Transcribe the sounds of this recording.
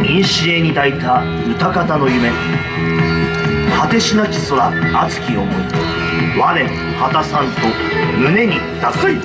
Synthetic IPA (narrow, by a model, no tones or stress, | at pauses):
ĩɰ̃ɕieɲ̟id̪ait̪a | ɯ̟t̪akat̪ano̞jɯ̟me̞ | hat̪e̞ɕinakʲi̥so̞ɾaːt͡sɨ̥kʲiomoi | βaɾẽ̞ | hat̪asãnt̪o̞ | mɯ̟ne̞ɲ̟i | t̪a